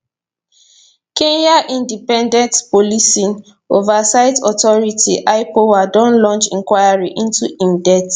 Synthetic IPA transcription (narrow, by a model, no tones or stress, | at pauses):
kẽnjaʔĩndipɛ̃ndɛ̃ntpolisĩn | ovasaɪtɔtɔɹitʰḭʔaɪpowadɔ̃nlɔ̃nt͡ʃĩŋkwajaɹiʔĩntuĩmdɛt